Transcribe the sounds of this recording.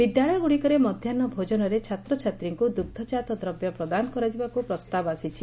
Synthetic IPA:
b̥iɖːaɭɔɡuɽikɔɾemɔd̪ʱjanɔbʱod͡ʒɔnɔɾet͡ʃʰat̪ɾɔt͡ʃʰat̪ɾiŋkud̪uk̚d̪ʰʱɔt͡ʃat̪ɔd̪ɾɔbjɔpɾɔd̪anɔkɔɾɔd͡ʒibakupɾɔst̪abɔasit͡ʃʰi

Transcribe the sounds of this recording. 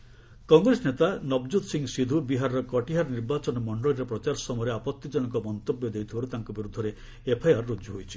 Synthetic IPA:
kɔŋɡɾesɔnet̪anɔbd͡ʒud̪siŋsid̪ʱubiɦaɾɔɾɔkɔʈiɦaɾɔniɾbat͡ʃɔnɔmɔɳɖɔɭiɾepɾɔt͡ʃaɾɔsɔmɔjɾeapɔt̪ːid͡ʒɔñɔŋkɔmɔnt̪objɔd̪ejt̪ʰibaɾut̪aŋkɔbiɾud̪ʱːɔɾe | epʰajaɾɔɾud͡ʒuɦojt͡ʃʰi̥

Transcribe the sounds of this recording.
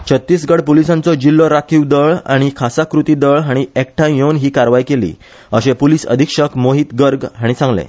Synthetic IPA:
t͡ɕʰət̪ːiːsɡəɽpolisãnt͡sɔd͡ʑilːɔɾakʰiːwd̪əɭa̰ɽ̃ikʰasakɾut̪iːd̪əɭɦaɽ̃iekʈʰãjjonɦiːkaɾʋajkelḭː | əɕepoliːsə̰d̪ʱikʂəkʰmoɦiːt̪ɡəɾɡɦaɽ̃isãŋɡlḛ̃

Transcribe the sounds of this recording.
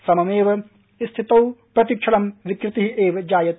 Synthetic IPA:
sɐmɐmeːʋɐ | ist̪ʰit̪ɐwpɾɐt̪ik̚t͡ʃʰɐlɐmʋikɾɪt̪iɦiʔeːʋd͡ʒaːjɐt̪

